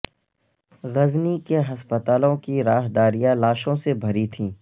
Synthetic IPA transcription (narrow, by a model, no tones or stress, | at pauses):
ɣɐznikeɦɐspət̪aːlõkiɾaːɦd̪aːɾijãlaːʃõsebʱɐɾit̪ʰĩː